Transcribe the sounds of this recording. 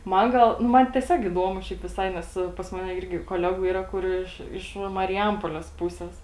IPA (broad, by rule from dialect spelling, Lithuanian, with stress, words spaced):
ˈmɐn ˈɡɐlˠ nʊ ˈmɐn tʲɛˈsʲoːk ɪˈduɔmʊ ˈʃʲɛɪp ʋʲɪˈsɐɪ ˈnʲɛs pɐs ˈmɑːnʲɛ ˈɪrʲɡʲɪ koːˈlʲæːɡuː ˈiːrɐ ˈkʊr ɪʃ ɪʃ mɐrʲɪˈjɛmpoːˈlʲɛs ˈpuːsʲɛs